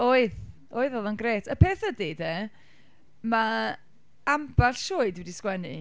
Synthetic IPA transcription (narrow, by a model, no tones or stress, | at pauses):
oːɨð | oːɨðɔðanɡreːtʰəpʰeːθədeːde | ma | ambaɬʃʊːɨdwɛdiskwɛnɨ